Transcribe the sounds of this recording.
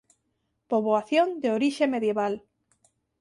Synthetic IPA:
poβoaθjond̪eoɾiʃemeðjeβal

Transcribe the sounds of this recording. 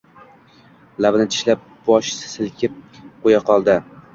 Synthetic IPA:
lavnɪt̪ʰɪ̥ʃlap̚b̥ɒʃssɪlkʲʰɪp̚qojaqʰɒlˠd̪ɪ

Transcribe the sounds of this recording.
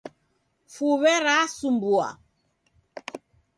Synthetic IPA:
fuβɛɾasumbua̰

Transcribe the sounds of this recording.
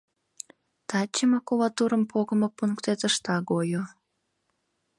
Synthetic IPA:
t̪ɑt͡ɕːəmɑkulɑt̪uɾəmpʰoɣə̆mopuŋkt̪et̪əʃt̪ɑɡojo

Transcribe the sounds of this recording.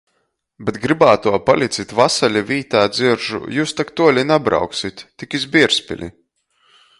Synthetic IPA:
bet̪ɡɾibaːt̪uɔpalʲit̪sit̪vasalʲivʲiːt̪aːd̪ziɾʒṵjuːst̪akt̪uɔlʲinabɾa̰wksit̪ːikizbiɛɾsʲpʲḭlʲḭ

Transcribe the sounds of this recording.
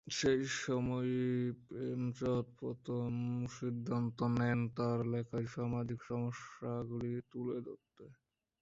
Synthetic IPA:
ʃejʃɔmɔjpemt͡ɕɔt̪̚pɔt̪ʰomːuʃid̪ʱːant̪onent̪aɾlɛkʰajʃamad͡ʑikʃɔmoʃːaɡulit̪uled̪o̰t̪ːe

